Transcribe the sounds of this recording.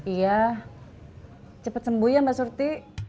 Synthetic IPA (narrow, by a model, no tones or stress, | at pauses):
ija | t͡ʃəpət̪səmbujambasurt̪i